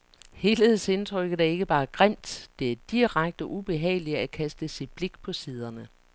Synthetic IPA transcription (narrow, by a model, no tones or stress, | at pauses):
he̝leð̩ˠse̝nt͡sʰʁœɡ̥ð̩ˠæɐe̝ɡ̥əb̥ɑ̈ːɡ̥ʁam̰d̥d̥e̝æɐd̥iʁaɡ̥̚d̥əʔub̥e̝ɦɛ̰ɪliækʰæsd̥əsid̥̚b̥leɡ̥̚pʰɒ̽siːð̞ˠɐnə